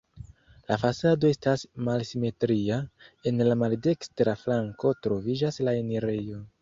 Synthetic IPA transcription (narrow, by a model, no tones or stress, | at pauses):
lafasado̞e̞stasmalsime̞tɾiae̞nlamalde̞kstɾaflaŋko̞tɾo̞vid͡ʒaslaeneɾejo̞